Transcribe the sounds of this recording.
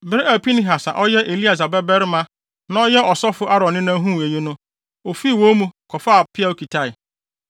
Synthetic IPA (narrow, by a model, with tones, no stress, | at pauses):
bɪ˦ɾɪ˦æ˨pi˦nɪ̃˦ɦa˨sã̰˨ʔɔ˦jɛ˦ʔe˨li˦a˨s̬a˨bɛ˦bɛ˦ɾɪ˦mã˦ | nã˦ɔ˦jɛ˦ʔɔ˨sɔ˦fʊ˦ʔa˦ɾɔ̃˨nɪ̃˦nã˦ɦũ˦˨e˨je˦nʊ̃˦ | o˨fi˦˨wõ˦mũ˦kʰɔ˨faː˦˨pʰɪ˦a˦˨o˦kʰi˨tʰa˦ɪ˨